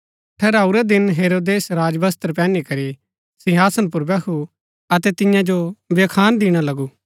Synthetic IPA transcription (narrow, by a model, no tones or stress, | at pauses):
ʈʰɛɾaːuɾɛd̪ɪnɦeːɾoːd̪eːsɾaːd͡ʒbɐst̪əɾpɛːnikɐɾi | sɪɦaːsənp̬ʊɾbɛkʰu | ɐt̪ɛt̪ɪ̃jãd͡ʒoʋeːkʰaːnd̪iːɽ̃alɐɡu